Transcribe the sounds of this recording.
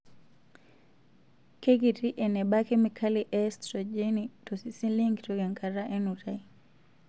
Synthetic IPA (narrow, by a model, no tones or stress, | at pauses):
kekitiʔɛnɛɓakɛmikʰaliʔɛstɾɔd͡ʒɛnitɔsisiliŋɡtɔɡɛŋkʰaɾaʔɛnutai